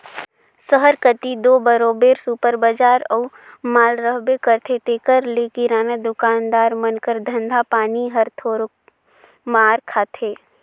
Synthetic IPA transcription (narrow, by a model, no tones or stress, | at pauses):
səɦəɾkət̪id̪oːbəɾoːbeːɾsupəɾbəd͡ʒaːɾɔː | maːlɾəɦbekəɾt̪ʰet̪eːkəɾleːkiɾaːnad̪ʊkaːnd̪aːɾmənkəɾd̪ʱə̃nd̪ʱapaːniɦəɾt̪ʰoːɾo | maːɾkʰaːt̪ʰeː